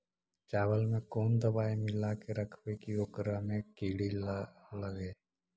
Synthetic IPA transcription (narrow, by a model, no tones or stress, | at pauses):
t͡ʃaːʋəlmẽkoːnd̪ɐbaːemɪlakeɾɐkʰʋekijoːkɾamẽkiːɽiləɡeː